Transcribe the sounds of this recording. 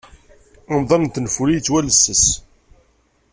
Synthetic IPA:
ɑmðˤɑnnt̪ːnfuɾit͡sːwæləsːəs

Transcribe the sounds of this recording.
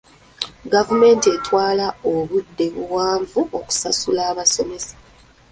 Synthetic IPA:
ɡavume̞ːntie̞twaːlaoβudːe̞βuwaːɱvuoku̥sasulaːβaso̞me̞sḁ

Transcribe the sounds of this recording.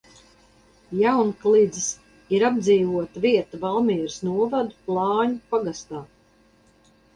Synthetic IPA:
jawnklˠid̪zis | iɾabd̪ziːvuɔt̪aviɛt̪avalˠmiɛɾsnuɔvad̪uplˠɑːɲupaɡast̪aː

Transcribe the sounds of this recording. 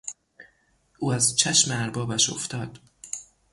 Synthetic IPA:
ʔuːæzt͡ʃʰæʃmeæɾbɒːbæʃo̰ft̪ʰɒːd̪̥

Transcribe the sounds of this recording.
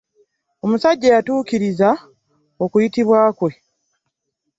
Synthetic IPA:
o̞musaɟːajatuːkiɾiza | o̞kujitiβwaːkwe̞

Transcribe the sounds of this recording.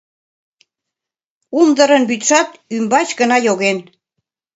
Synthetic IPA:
umd̪əɾənbyt̪ʃɑt̪ymbɑt͡ɕɡənɑjoɣen

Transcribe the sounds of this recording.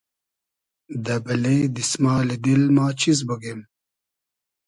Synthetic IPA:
d̪ɐbɐleːd̪ismaːlid̪ilmaːt͡ɕʰiz̬bɐɡeːm

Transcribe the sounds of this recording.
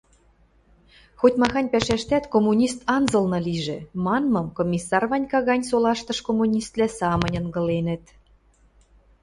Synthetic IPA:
xot̪ʲmɑxɑnʲpæʃæʃt̪æt̪komːunʲist̪ɑnzɤ̆lnɤ̆liʒĕmɑnmɤ̆mkomʲisːɑrβɑnʲkɑɣɑnʲsolɑʃt̪ɤ̆ʃkomunʲist̪læsɑmə̆nʲɤ̆ŋɡɤ̆lenə̆t̪

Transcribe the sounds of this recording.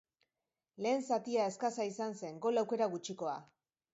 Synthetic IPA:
le̞ːnsat̪iae̞skasaisanse̞ŋɡo̞lawke̞ɾaɣut͡ʃiko̞a

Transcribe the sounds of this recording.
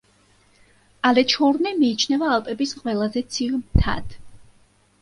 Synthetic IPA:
alɛt͡ʃʰɔɾnɛmiːt͡ʃʰnɛvaːlˠpʼɛbisqʼwɛlˠazɛt̪sʰiʁmt̪ʰa̰d̪̥

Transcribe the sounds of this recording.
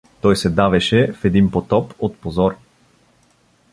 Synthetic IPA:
t̪ɔjsɛd̪avɛʃɛfɛd̪inpot̪ɔpot̪pozɔɾ

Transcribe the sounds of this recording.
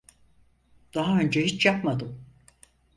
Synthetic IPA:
d̪̥aɦaø̞nd͡ʒɛhit͡ʃjapmad̪ɯm

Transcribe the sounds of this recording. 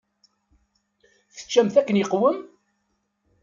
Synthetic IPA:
θə̥t͡ʃːæmθækːənjəqwəm

